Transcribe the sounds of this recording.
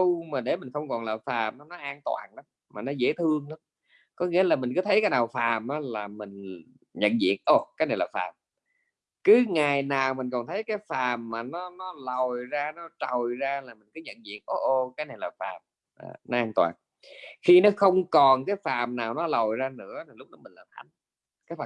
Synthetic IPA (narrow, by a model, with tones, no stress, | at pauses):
wmaː˨˩ɗe˧˩mï̟˨˩xə˧wŋ͡mkɔ˨˩nlaː˨˩faː˨˩mʔaː˨˦nɔ˨˦ʔaː˧nt̪wa̰ː˨˩nɗa˨˦m | maː˨˩nɔ˨˦zḛ˧˥˦t̪ʰɨ˧əŋa˨˦m | kɔ˨˦ŋḭ˧˥əlaː˨˩mï˨˩ŋ̟kɨː˨˦t̪ʰjkaː˨˦jɗaː˨˩wfaː˨˩mʔaː˨˦laː˨˩mï˨˩ŋ̟ | ɲə̰˧˨nzḭ˧˨ənʔo˨˩kaː˨˦jna˨˩jlaː˨˩faː˨˩m | kɨ˨˦ŋaː˨˩jnaː˨˩wmï˨˩ŋ̟kɔ˨˩nt̪ʰə˨˦jkaː˨˦jfaː˨˩mːaː˨˩nɔ˨˦nɔ˨˦lə˨˩jzaː˧nɔ˨˦t͡ɕə˨˩jzaː˧laː˨˩mï˨˩ŋ̟kɨ˨˦ɲə̰˧˨nzḭ˧˨ənʔo˨˧˩ʔo˧kaː˨˦jna˨˩jlaː˨˩fa̰ː˨˩m | ʔa̰ː˨˩nɔ˨˦ʔaː˧nt̪wa̰ː˨˩n | xi˧nɔ˨˦xə˧wŋ͡mkɔ˨˩nkaː˨˦jfaː˨˩mnaː˨˩wnɔ˨˦lo˨˩jzaː˧nɨ̰˧˥ət̪ʰi˨˩lʊ˦˥k͡p̚nɔ˨˦mï˨˩ŋ̟laː˨˩mt̪ʰa˨˦ŋ̟ | kaː˨˦jfaː˨˩